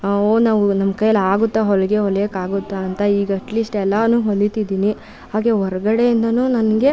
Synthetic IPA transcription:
onaːʋunɐmːɐkɐjːɐlaːɡut̪ːɐɦɔɭɐɡe̞ɦɔɭjɐkaːɡut̪ːaːnt̪ɐiːɡɐɐʈliːsʈɛlːɐnuːɦoɭːit̪id̪iːni | ɦaːɡe̞ɦɔɾɐɡɐɽe̞jind̪ɐnuːnɐnɐɡe̞

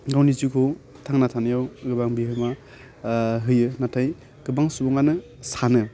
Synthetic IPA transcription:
ɡawnizikʰɯ | tʰaŋnatʰanɯjawɡɯbaŋbiɦɯma | ɦɯjɯnatʰaj | ɡ̥ɯbaŋsubɔŋanɯ | sanɯ

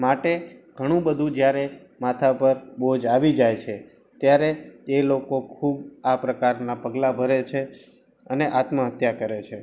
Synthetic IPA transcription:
maʈeɡ̥ʱəɽ̃ũbəd̪ʱũd͡ʒjaɾe | mat̪ʰapəɾbod͡ʒaʋid͡ʒajt͡ʃʰe | t̪jaɾeːlokokʰubapɾəkaɾnapəɡlabʱəɾet͡ʃʰe | əneʔat̪mə̃ɦət̪jakəɾet͡ʃʰe

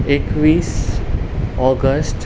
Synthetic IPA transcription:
ekʋiːs | ɔːɡəsʈ

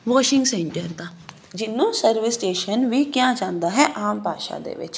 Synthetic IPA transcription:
ʋɔːʃɪ̃ŋɡsɛ̃ɳʈəɾd̪aː | d͡ʒɪnːũːsəɾʋɪsʈeːʃənʋiːkjãːd͡ʒãːnd̪aːɦɛːʔaːmpaːʃa̰ːd̪ḛːʋɪ̰t͡ʃ

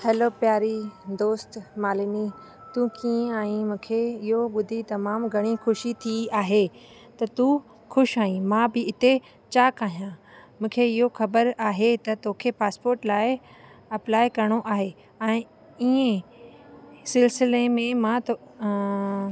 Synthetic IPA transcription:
hɛlopjaːɾid̪oːst̪maːlini | t̪ukiːẽaːɦĩmũːkʰeɪɦoɓʊd̪ʱit̪ɐmaːmɡʱɐɽ̃ixʊʃit̪ʰiaːɦe | t̪ɐt̪u | xʊʃaːɦĩmãbɪɪt̪e | t͡ɕaːkaːɦijãmũːkʰeɪɦoxɐbəɾaːɦet̪ɐt̪oːkʰepaːspoːɾʈlaːɪ | ɐplaːɪkɐɾɽ̃oʔaːɦe | ɛ̃ː | iẽ | sɪlsɪlemẽmãt̪

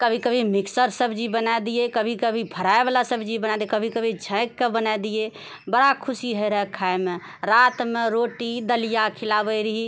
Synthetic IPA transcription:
kəbʱikəbʱimiksəɾsəbʱd͡ʒibənaed̪ijekəbʱikəbʱipʰəɾaebalasəbd͡ʒibənad̪iekəbʱikəbʱid͡ʒʱə̃ɪkːebənaed̪ije | bəɽakʰʊsiɦəeɾəɦkʰajme | ɾat̪meɾoʈid̪əlijakʰɪlabəjɾiɦi

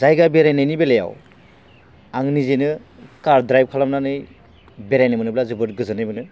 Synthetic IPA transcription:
zajɡabeɾajnajnibeleja̰w | aŋnizenɯ | kaɾdɾajb̚kʰalamnanɯj | beɾajnɯmɯnɯblazɯbɯtɡɯzɯnɯjmɯnɯ

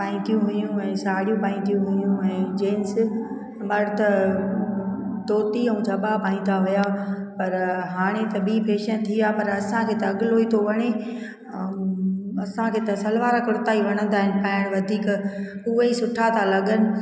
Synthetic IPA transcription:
paːĩt̪ʰijũɦʊjũɛ̃ːsaːɽijũpaːĩt̪ʰijũɦʊjũɛ̃ːd͡ʑeːns | mɐɾt̪ɐ | t̪oːt̪iɐ̃ũd͡ʑʱɐbapaːĩːd̪aɦʊjapɐɾɦaːɽ̃et̪ɐbiːpʰeːʃənt̪ʰiaːpɐɾɐsãkʰeːt̪ɐɐɠloit̪ʰoʋɐɽ̃e | ɐsãkʰeːt̪ɐsɐlʋaːɾakʊɾt̪aːiʋɐɽ̃ə̃nd̪aːɦɪnɪ̆paːɪɽ̃ʋɐd̪ʱiːkʊɦeisʊʈʰat̪ʰalɐɠənɪ̆

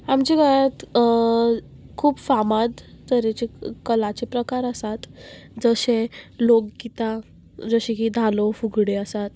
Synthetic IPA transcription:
amt͡ɕiɡajat̪ | kʰuːbfamad̪t̪əɾet͡ɕekəlat͡ɕepɾəkaɾəsat̪d͡zəɕẽlokkit̪ã | d͡zəɕẽkid̪ʱalofuɡɽeəsat̪

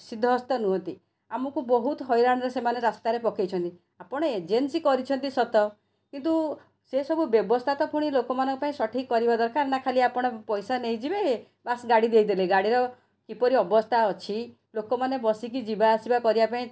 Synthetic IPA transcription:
sid̪ʱːɔːst̪ɔnuɦɔnt̪i | amɔkubɔɦut̪ɦɔjɾaɽ̃ɔɾesemaneɾast̪aɾepɔkʰejt͡ʃʰɔnt̪i | apɔɽ̃ɔed͡ʒensikɔɾit͡ʃʰɔnt̪isɔt̪ɔ | kint̪̬u | sesɔbʱubjɔbɔst̪ʰat̪ɔpuɽ̃ilokɔmanɔŋkɔpaĩsɔʈʰikɔɾibad̪ɔɾkaɾnakʰaliapɔɽ̃ɔpɔjsanejd͡ʒibe | basɡaɽid̪ejd̪eleɡaɽiɾɔ | kipɔɾiɔbɔst̪ʰaɔt͡ʃʰi | lokɔmanebɔsik̬id͡ʒibaːsibakɔɾibapaĩ

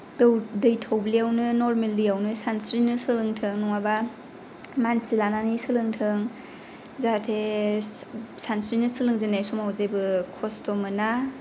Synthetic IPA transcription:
dɯwdɯjtʰawbliawnɯnɔɾmeldijawnɯsansɾinɯsɯlɯŋtʰɯŋnɔŋaba | mansilananɯsɯlɯŋtʰɯŋ | zatʰe | sansɾinɯsɯlɯŋzanajsumawzebɯkʰɔstɔmɯna

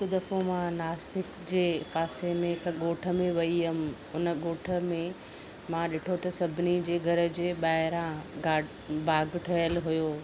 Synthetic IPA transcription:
kd̪ɐfomãnaːsɪkd͡ʑeːpaːsemẽkɠoːʈʰə̆mẽʋɐiʊm̆ | ʊnəɠoːʈʰə̆mẽ | mãɗɪʈʰot̪ɐsɐbʱɪnid͡ʑeːɡʱɐɾə̆d͡ʑeːɓaːɦɪɾãɡaː | baːɡʱʈʰɐjəlɦʊjoː

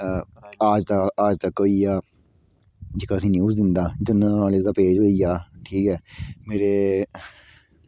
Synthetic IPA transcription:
aːd͡ʒt̪aaːd͡ʒt̪əkːoiːjaː | d͡ʒɪkaːsĩːnjuːzd̪ɪnd̪aːd͡ʒənãːleːd̪aːpeːd͡ʒʋəiːjaːʈʰiːkɦɛːmeːɾeː

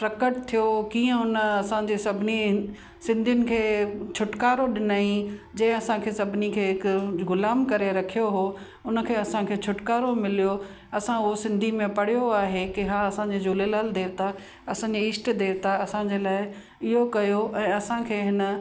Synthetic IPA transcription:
pɾɐkəʈt̪ʰijokiːə̃ʊnəɐsãd͡ʑeːsɐbʱɪni | sɪ̃nd̪ʱijʊnɪ̆kʰeːt͡ɕʰʊʈkaːɾoɗɪnaːĩd͡ʑɐ̃ɦɪ̃ɐsãkʰeːsɐbʱɪnikʰeːɦɪkɡʊlaːmkɐɾeɾɐkʰijoɦoː | ʊnə̆kʰeːɐsãkʰeːt͡ɕʰʊʈkaːɾomɪlijo | ɐsãʊɦosɪ̃nd̪ʱimẽpɐɽ̤ijoaːɦekeɦaːɐsãɲd͡ʑeːd͡ʑoːlelaːld̪eːʋt̪ʰa | ɐsãd͡ʑeɪːsʈd̪eːɾt̪ʰaɐsãd͡ʑeːlaːɪ | ɪɦokɐjoʔɛ̃ːɐsãkʰeːɦɪnə̆

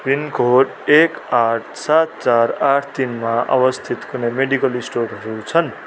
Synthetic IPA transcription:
rinkʰoɖ | ekaʈʰsat̪̚t͡saraʈʰt̪inmaʔa̰bʌst̪ʰit̪kʰunemeɽikʌlisʈoɾɦʌɾut͡sʰʌn

